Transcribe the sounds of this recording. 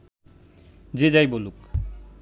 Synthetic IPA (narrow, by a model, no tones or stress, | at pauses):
d͡ʑed͡ʑajboluk